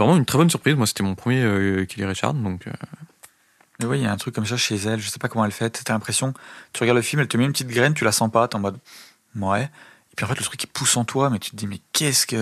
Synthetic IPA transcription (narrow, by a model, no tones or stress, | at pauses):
vʁɛmɑ̃ynt̪χɛbɔnsyʁpχizmwase̥t̪ɛmɔ̃pχəmjeøkʰʲileʁeʃa̰ʁnd̪ɔ̃kʰø̰ | mɛwɛljaɛ̃t̪χykːɔms̬aʃezɛlʒəsɛpakɔmɑ̃ɛlfɛt̪t̪alɛ̃pχesjɔ̃t̪y̥ʁəɡaʁd̪ləfilmɛlt̪əmɛynpət̪it̪ɡʁɛnt̪̬ylasɑ̃pat̪ɑ̃mɔd̪ | mɔɛ | epʰɥiɑ̃fɛt̪lət̪χykːɛ̥pʰusɑ̃t̪wamɛt̪y̥t̪əd̪imɛkʰʲɛskə